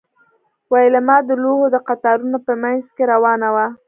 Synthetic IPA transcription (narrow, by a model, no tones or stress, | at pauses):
wajelamɑd̪əloɦod̪əqat̪ɑɾunopəmanzkeɾawɑnawa